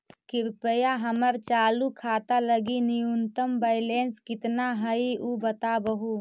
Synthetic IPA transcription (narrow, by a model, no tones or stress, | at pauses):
kɪɾpəjaɦəməɾt͡ʃaːlukʰaːt̪aləɡinijunt̪əmbəɪleːnskɪt̪naɦəiʔubət̪abəɦu